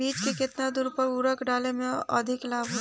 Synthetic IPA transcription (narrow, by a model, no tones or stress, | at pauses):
iːt͡ʃkekɪt̪nad̪ʊɾpəʊɾəkɖaːlemẽə̰d̪ʱɪklaːbʱɦo